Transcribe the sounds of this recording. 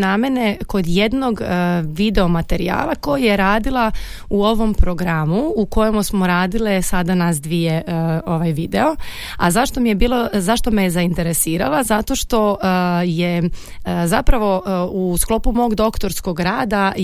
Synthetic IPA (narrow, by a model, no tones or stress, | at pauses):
name̞ne̞ko̞d̪jed̪no̞ɡʋid̪e̞o̞mat̪e̞ɾḭa̰ːlˠako̞jajeɾaːd̪ilˠa | uo̞ʋo̞mpɾo̞ɡɾamuuko̞jemusmo̞ɾaːd̪ilesad̪anasd̪ʋijeoʋajʋid̪eo̞ | a̰zaʃt̪o̞mijebiːlo̞zaʃt̪o̞mejezaint̪e̞ɾe̞siːɾalˠazat̪o̞ʃt̪o̞je | zapɾaʋo̞usklˠo̞pumo̞oɡd̪o̞kt̪o̞ɾsko̞ɡɾaːd̪a